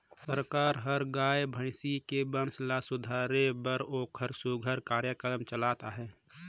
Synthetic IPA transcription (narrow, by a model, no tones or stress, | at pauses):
səɾkaːɾɦəɾɡaːebʱə̃ɪsikebənslasʊd̪ʱaɾebəɾoːkʰəɾsuɡʱəɾkaːɾjəkɾɾəmt͡ʃəlat̪aɦɛː